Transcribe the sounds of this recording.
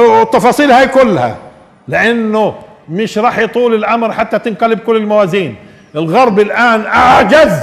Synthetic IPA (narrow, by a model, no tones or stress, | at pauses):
ɪt̪ːɑfɑːsˤiːlhaːjkʊlːha̰ | lɪʔanːʊ | mɪʃɾˤɑːħjt̪ˤuːlɪlʔamɾħat̪ːat̪ɪnqalɪb̚kʊlːɪlmawaːziːn | ɪlɣɑɾˤbɪlʔaːnʔaʕd͡ʒaz